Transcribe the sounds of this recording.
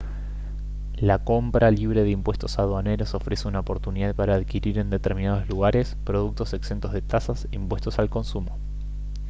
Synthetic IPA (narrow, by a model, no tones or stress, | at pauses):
lako̞mpɾʔaliβ̞ɾe̞ðeimpwe̞st̪osað̞waneɾoso̞fɾe̞se̞unaopo̞ɾt̪uniðaðpaɾaːðkiɾiɾe̞nd̪e̞t̪eɾmĩnaðozluɣ̞aɾe̞spɾo̞ð̞uk̚t̪o̞se̞kse̞nt̪ozð̞et̪asasimpwe̞st̪o̞salko̞nsumo